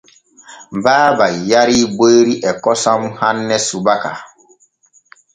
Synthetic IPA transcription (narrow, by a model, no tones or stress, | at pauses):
mbaːbajaɾibeɾiʔɛkɔsɔmhanːɛsubaka̰